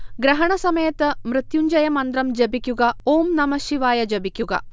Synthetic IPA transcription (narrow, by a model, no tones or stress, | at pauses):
ɡɾɐɦɐɳɐsɐmɐjɐt̪mɾɨt̪juɲd͡ʒɐjɐmɐnd̪ɾɐmd͡ʒɐbikʲjuɡɐoːmnɐmɐʃiʋaːjɐd͡ʒɐbikʲjuɡɐ̰